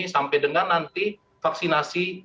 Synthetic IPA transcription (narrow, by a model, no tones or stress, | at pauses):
isampɛdəŋarnant̪i | fak̚sinasi